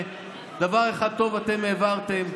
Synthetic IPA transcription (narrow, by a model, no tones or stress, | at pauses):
d̪avaʁeχad̪̚t̪o̞vat̪e̞meːvaʁt̪em